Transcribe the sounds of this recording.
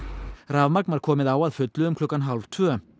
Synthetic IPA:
ravmak̚nvaɾ̥kʰɔːmɪðaːwaðfʏt̪lʏʏmkʰlɔkːanɦalv̥t̪ʰvœː

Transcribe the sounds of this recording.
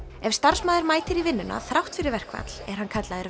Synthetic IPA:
ɛvst̪ar̥smaːðɪɾmaːjt̪ɪɾivɪnːʏnʔa̰θɾawht̪fɪɾɪɾvɛr̥kva̰t̪lɛɾ̥hankʰat̪laðɪɾ

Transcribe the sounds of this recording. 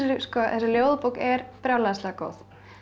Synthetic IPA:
skɔɛsɪljowðpuwkɛɾpɾjaːwlasɛako̰ːwθ

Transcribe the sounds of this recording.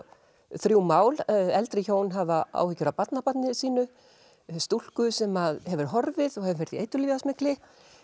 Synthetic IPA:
θɾjuwmaːwlɛlt̪ɾɪçoːwnɦavaa̰ːwhɪcːʏɾapat̪napat̪nɪsiːnʏ | st̪ul̥kʏsɛmaðhɛvʏɾ̥ɦɔɾvɪðɔɣhɛvɾfɛɾðiejt̪ʏliːvasmɪklɪ

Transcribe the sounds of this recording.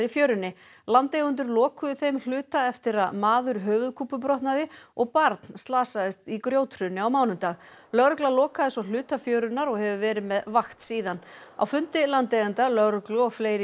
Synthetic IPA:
ɾɪfjœːɥɾʏnːɪ | lant̪ejɣʏnt̪̬ʏɾlɔːkʏðʏθejml̥ʏːt̪aɛft̪ɪɾaðmaːðʏɾɦœːvʏðkʰuːpʏp̬ɾɔht̪naðɪɔɣpaɾt̪nst̪laːsaðɪst̪ikɾjoːwt̪ʰɾʏnːɪawmaːwnʏmt̪aːɣ | lœɣɾklalɔːkaðɪsɔl̥ʏːt̪afjœːɥɾʏnaɾɔɣhɛvʏvɛːɾɪðmɛðvaxt̪siːðana̰wfʏnt̪ɪlant̪eɣʏnt̪alœɣɾklʏɔɣfleːjɾɪ

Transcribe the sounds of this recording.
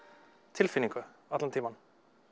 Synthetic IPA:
t̪ʰɪlfɪnɪŋkʰəɑt̪lɑnt̪ʰiːmɑn

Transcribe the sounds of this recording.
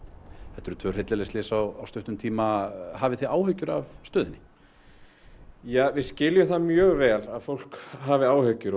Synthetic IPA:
θɛht̪ɛɾʏt̪ʰvœːr̥ɪt̪lɪlest̪ɪsawawst̪œht̪ʏmt̪ʰiːmahaːvɪθiaːwɦœɥcʏɾavst̪œːðɪnːɪ | jaːvɪðscɪljʏθamjœːɣvɛːlaðfowl̥kɦaːvɪaːwhœɥcʏɾ

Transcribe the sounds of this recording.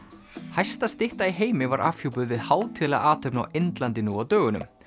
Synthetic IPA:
hajst̪ast̪ɪht̪aiɦeːjmɪvaɾʔa̰fjuwpʏðvɪðhaːwt̪ʰɪla̰ʔaːt̪ʰœɥpna̰went̪lant̪ɪnuawt̪œːɣʏnʏ̰m

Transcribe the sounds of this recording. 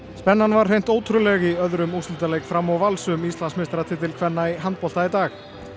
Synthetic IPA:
spɛnːanvaɾ̥ejn̥t̪oːwt̪ʰʏɾʏlɛɣiœðɾʏmust̪ʏt̪alejkfɾamːawvalsʏmist̪lansmɪst̪ɾat̪ʰɪt̪ʰɪlkʰvɛnːaiɦant̪̚pɔlt̪ait̪aːx

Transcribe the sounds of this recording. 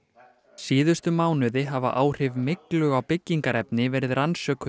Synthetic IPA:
siːðʏst̪ʏmaːwnʏðɪɦava̰ʔaːwr̥ɪvmɪklʏɣawpɪcːiŋkaɾɛpnɪvɛːɾɪðɾansœːk

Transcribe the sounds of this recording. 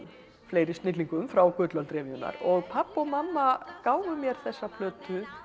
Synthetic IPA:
fleːjɾɪst̪nɪt̪liŋkʏmfɾawkʏːt̪lœlt̪ɾɛːmiʏna̰ɾɔɣpʰapːɔɣmamːakaːwvʏmjɛɾ̥θɛsːapʰlœːt̪ʏ

